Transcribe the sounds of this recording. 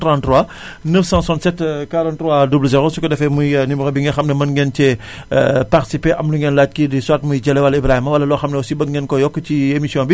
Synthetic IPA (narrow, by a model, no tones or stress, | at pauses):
trãntrwa | nəfsãːsɔ̃ntsɛtkaɾãntːrwadubləzɛɾosukɐdɛfɛmujnimuxɐbiŋɡɛxɐmnɐmɐnŋɡɛncɛ̰ | parti̥sipeʔɐmluŋɡɛnlaːc̚kidiswaːtmujɟɐlɛwɐlɐibɾaimɐwɐlːɐlɔxɐmnɐwɐsibɐŋɡɛnkɔjɔkːəciemisijɔ̃ːbi